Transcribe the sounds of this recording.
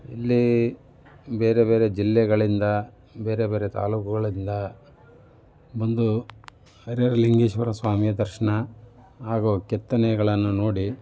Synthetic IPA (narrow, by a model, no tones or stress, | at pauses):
ḭlːi | be̞ːɾebe̞ːɾe̞d͡ʒilːɛɡɐɭind̪ɐ | be̞ːɾebe̞ːɾe̞t̪a̰ːluːkuɡɐɭind̪ɐ | bond̪u | ɐɾeɾɐliŋɡiːʃʋɐɾɐsʋaːmijɐd̪ɐɾʂɐɳɐ | ɦaːɡukɛt̪ːɐnɛɡɐɭɐnːuno̞ːɽi